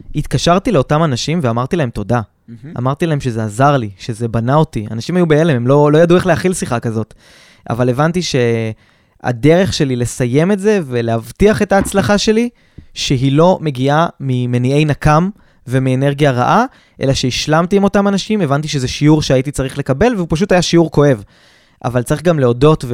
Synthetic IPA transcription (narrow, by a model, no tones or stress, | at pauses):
it̪kaʃaʁt̪ileo̞tamanaʃimveamaʁt̪ilahemt̪o̞da̰ː | maʁt̪ilahemʃezeazaʁliʃe̞ze̞banao̞tia̰naʃimajubeelememlo̞lo̞jadue̞χleaχilsiχakazo̞t̪ | ʔa̰vale̞vant̪iʃe̞ | a̰de̞ʁe̞χʃe̞lile̞saje̞me̞tze̞ve̞leavtiaχe̞taːt͡slaχaʃe̞li | ʃe̞ɦilo̞me̞ɡiamime̞nie̞jnakam | ve̞miene̞ʁɡijaʁa̰ʔa | ʔe̞̰laʃeiʃlamtiimo̞tamanaʃime̞vant̪̬iʃezeʃiuʁʃeait̪̬it͡saʁiχle̞kabe̞lveupaʃ̬ut̪ajaʃiuʁko̞e̞v | ʔa̰valt͡saʁiχɡamle̞o̞do̞tv